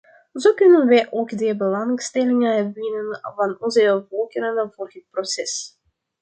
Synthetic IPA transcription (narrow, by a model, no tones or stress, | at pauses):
zoːkʏnənʋɛjʔoːkdəbəlɑŋstɛlɪŋəʋɪnənvɑnɔnzəvɔlˠkəɾənvoːrɦət̚prosɛs